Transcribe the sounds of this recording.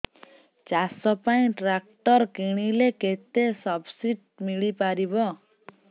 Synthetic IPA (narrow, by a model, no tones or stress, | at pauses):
t͡ʃasɔpaĩʈɾak̚ʈɔɾkiɽ̃ileket̪esɔbsiʈ̚ | miɭipaɾibɔ